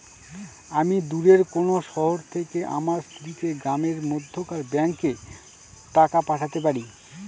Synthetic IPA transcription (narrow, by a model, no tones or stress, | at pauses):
amid̪uɾeɾkonoʃɔɦoɾt̪ʰekeʔa̰maɾst̪ʰɾik̪eɡɾameɾmod̪ʱːokaɾbɛŋke | ʈakapaʈʰat̪ep̬aɾi